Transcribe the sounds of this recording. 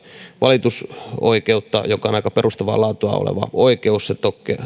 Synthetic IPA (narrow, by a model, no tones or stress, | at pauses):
ʋɑlit̪uso̰ikeut̪ːɑ̰jokˑɑonɑikɑperust̪ɑʋɑ̰ːlɑːt̪uɑ̰o̰lḛʋɑ̰oikeusset̪okːe